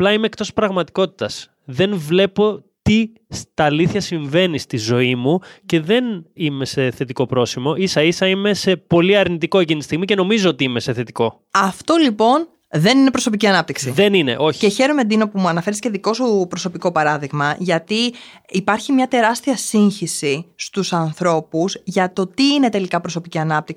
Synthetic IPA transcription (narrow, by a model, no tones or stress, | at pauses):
ɐplɐimeːk̚t̪o̞spɾɐɣmɐt̪i̥ko̞t̪i̥t̪ɐs | ðe̞nvle̞po̞t̪i | st̪ɐliθçɐsiɱve̞nist̪izo̞imuce̞ðe̞nime̞se̞θe̞t̪iko̞pɾo̞simo̞ʔisɐisɐime̞se̞po̞liɐɾnit̪iko̞ecinit̪i̥st̪iɣmice̞no̞mizo̞ot̪iime̞se̞θe̞t̪i̥ko̞ | ɐft̪o̞lipo̞n | ðe̞nine̞pɾo̞so̞piciɐnɐp̚t̪iksiðe̞nine̞̰ʔo̞çceçe̞ɾomed̪ino̞pumuɐnɐfe̞ɾisceðiko̞supɾo̞so̞piko̞pɐɾɐðiɣmɐʝɐt̪iː | pɐɾçimɲɐt̪e̞ɾɐst̪iɐsiɲçisist̪usɐnθɾo̞puzʝɐt̪o̞t̪iːne̞t̪e̞likɐpɾo̞so̞piciɐnɐp̚t̪iksi